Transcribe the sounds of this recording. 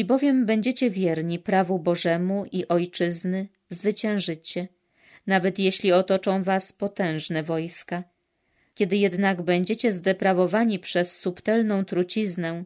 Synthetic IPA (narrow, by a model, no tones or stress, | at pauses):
ibɔvʲjɛmbɛɲd͡ʑet͡ɕɛvʲjɛɾɲipɾavubɔʐɛmuʔiʔɔjt͡ʂɘznɘ | zvɘt͡ɕɛ̃w̃ʐɘt͡ɕɛ | navɛt̪jeɕlʲiɔt̪ɔt͡ʂɔ̃w̃vaspɔt̪ɛ̃w̃ʐnɛvɔjska | kʲɛd̪ɘjɛd̪naɡbɛɲd͡ʑet͡ɕɛzd̪ɛpɾavɔvaɲipʂɛsːupt̪ɛlnɔ̃w̃t̪ɾut͡ɕiznɛ